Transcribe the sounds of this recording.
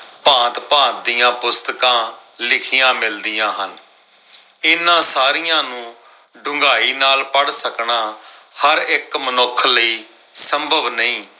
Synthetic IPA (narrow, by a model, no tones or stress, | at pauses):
pãːt̪pãːt̪̚d̪ijãːpʊst̪əkãːlɪkʰɪjãːmɪld̪ijãːɦən | ɪnːãːsaːɾɪjãːnũː | ɖʊ̃ŋɡaːiːnaːlpəɽsəknaː | həɾɪkmənokʰːləiː | səmbʱəʋnəĩː